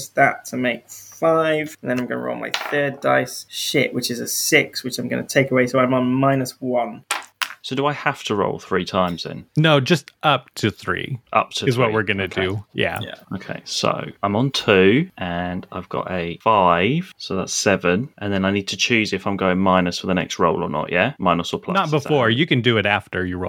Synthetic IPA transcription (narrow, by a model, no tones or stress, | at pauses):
sðətʰəmeɪkfaɪv̥ə̃n̩ðə̃ñãɪ̃mɡʌ̰nə̰ɹo̰ʊlˠmʔa̰ɪθɜːdaɪsʃɪ̰ʔwɪt͡ʃɪzəsɪkswɪt͡ʃãɪ̃mɡʌ̰nətʰeɪkəweɪsoʊãɪ̃mə̃nmaɪnəswʌ̃nsoʊdəaɪhaftʰəɹo̰ʊlˠθɹiːtʰãɪ̃mz̥ɪ̰̃nnoʊd͡ʒʌstʔʌp̚tʰəθɹḭʔʌ̰p̚tʰəɨzwʌʔwɪɹɡʌnɨdɨjæ̰j̰oʊkʰḛɪso̰ʊãɪ̃mə̃ntʰʉːʔə̃na̰ɪvɡɒ̰təfaɪv̥soʊða̰tssɛvə̃nʔə̃nðə̃naɪniːd̚tʰət͡ʃʰʉːzɪfãɪ̃mɡəʊɪ̃ŋmaɪnəsfəðənɛ̰kstɹoʊlə̰nə̰ʔjæmaɪnəsəpʰl̥ʌnt̚b̥əfɔɹjɨkɨ̃ndɨɪɾæftə˞jəɹo